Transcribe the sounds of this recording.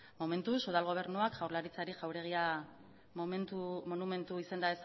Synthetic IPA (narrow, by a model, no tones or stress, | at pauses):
mo̞me̞nt̪usuðalɣo̞β̞e̞ɾnuakʝawɾlaɾit͡saɾiʝawɾe̞ɣ̞ia | nt̪umonume̞nt̪uisend̪aes